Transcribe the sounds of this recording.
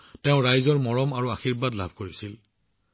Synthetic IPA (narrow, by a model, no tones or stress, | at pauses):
teʊ̃ɹajzɔɹmɔɹɔmaɹuaxiɹbadlabʱkoɹisil